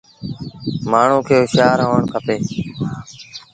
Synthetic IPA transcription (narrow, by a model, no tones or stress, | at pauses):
maːɳ̤ũːkʰeːʊʃaːɾɦoːəɳkʰəpeː